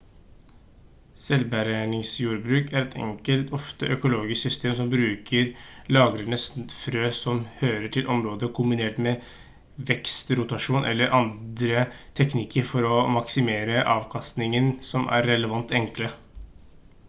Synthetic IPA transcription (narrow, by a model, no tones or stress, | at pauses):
sɛlbæɾænɪŋsjuːɾbɾʉːkæɾɛt̪ʰɛ̰ŋkəlt̪ʰɔft̪əʔœkʊloːɡɪsksʏst̪ʰeːms̬ɔmbɾʉːkəɾlɑːɡɾəɳəsfɾøːsɔmhøːɾəʈʰɪlʔɔmɾoːd̪əkʰʊmbɪneːʈmɛ | ʋɛkst̪ɾʊt̪ɑʂuːnʔɛ̰lːəɾʔɑnd̪ɾət̪ʰɛknɪkəɾfɔɾɔmɑksɪmeːɾəʔɑːʋkʰɑst̪nɪŋənsɔmæ̰ɾːɛləʋɑnt̪ɛŋklə